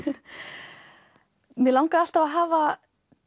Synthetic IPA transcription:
mjɛlawŋkaðal̥t̪avaðɦaːva

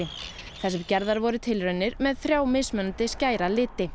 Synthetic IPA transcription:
ɪ | θɛsːɪɾcɛɾðaɾvɔɾʏt̪ʰɪlɾœnːɪɾmɛðθɾjaːwmɪsmœnt̪ɪscaːjɾalɪːt̪ɪ

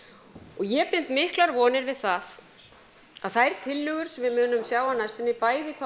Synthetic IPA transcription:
ɔɣjɛpɪn̥t̪mɪhklaɾvɔːnɪɾvɪðθað | aðθajɾ̥t̪ʰɪlːʏːɣʏɾ̥svɪðmʏːnːʏmsjaːwanajst̪ɪnːɪpaːjðɪkʰva

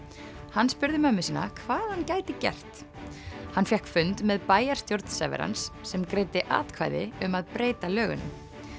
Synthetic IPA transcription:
hanːspʏɾðɪmœmːɪsɪna̰kʰvaːðhancaːjt̪ɪcɛ̰r̥t̪ | hanfjɛhkfʏnt̪mɛðpaːjaɾ̥st̪jowɾt̪n̥sɛ̰vɛ̰ɾa̰nsːɛmkɾejt̪ɪʔa̰ːt̪kʰva̰jðɪ̰ʏmaðpɾeːjt̪alœːɣʏ̰nʏ̰m

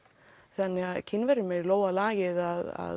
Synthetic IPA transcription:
θanːɪɣaðcʰɪnːvɛɾʏmɛɾloːwalaːjɪðaða̰ð

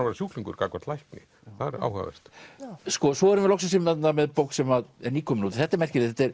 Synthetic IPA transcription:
aɾvaɾɪsjuːkliŋkʏɾkakvaɾt̪lajhknɪ | θaðɛɾa̰ːwha̰vɛ̰r̥t̪skɔsvɔɛɾʏmvɪɾlɔksasɪmanːamɛðpoːwksɛmaðɛɾniːkʰɔmɪnut̪ɪ̥θɛht̪aɾmɛr̥cɪɪθɛt̪ɛɾ

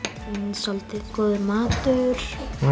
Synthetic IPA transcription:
insɔlt̪ɪðkɔːðʏmaːt̪ʏɾ̥

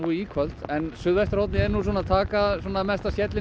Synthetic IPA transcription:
uikʰœl̥t̪ɛnsʏðvɛjst̪ɾɔwt̪nɪɛɾnus̬ɔːnaðt̪ʰaːkasɔːnamɛst̪asjɛt̪lɪ

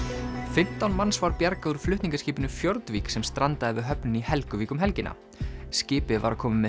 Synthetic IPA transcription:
fɪm̥t̪awnmansvaɾpjaɾkauɾ̥flʏht̪niŋkasciːpɪnʏfjɔɾt̪viːksɛmst̪ɾant̪aɪvɪɦœpnʏnihɛlkʏviːkʏmɦɛlcɪna̰ | scɪːpɪva̰ɾakʰɔːmʏmɛ

